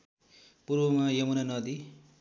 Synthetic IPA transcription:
purbʌmajʌmunanʌd̪i

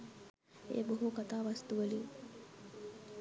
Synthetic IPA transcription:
ḛːboɦukat̪aːʋɐst̪uʋəli

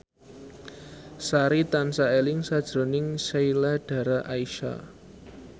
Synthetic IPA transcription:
saɾit̪ansaelɪŋsad̥ʒ̥ɾo̤nɪŋsejlaɖ̥ä̤ɾaʔaiʃa̰

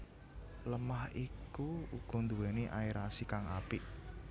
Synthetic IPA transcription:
ləmahikuuɡ̥ɔ̤nd̪uweniʔaiɾasikaŋapɪʔ

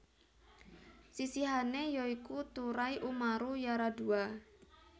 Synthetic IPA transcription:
sisiɦanejɔikut̪uɾajʔumaɾujaɾadua

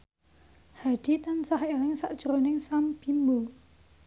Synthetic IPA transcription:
haɖ̪̥i̤t̪ansahelɪŋsa̰ʔd̥ʒ̥əɾonɪŋsamb̥imbo

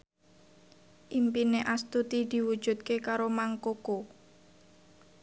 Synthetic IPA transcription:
ʔimpineʔast̪ut̪id̪̥i̤wud̥ʒ̥ṳt̪̚kekaɾomaŋkoko

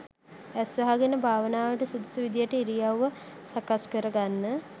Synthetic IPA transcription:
æsʋɐɦaɡenəbʱaːʋənaːʋəʈəsud̪usuʋid̪ijəʈəiɾijawːəsakaskəɾəɡanːə

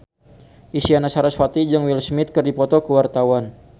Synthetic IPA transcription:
ʔisianasaɾasfwat̪id͡ʒɨŋwilsmɪt̪̚kərdipɔt̪ɔkəwart̪awan

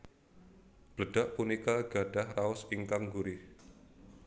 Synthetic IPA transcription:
b̥ləd̥aʔpunikaɡ̥ad̥ahraʊsiŋkaŋɡuɾɪ

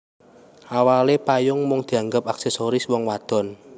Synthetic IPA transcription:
ʔawalepajʊŋmʊŋd̪̥i̤aŋɡəp̚aksesoɾɪswɔŋwad̪̥ɔ̤n

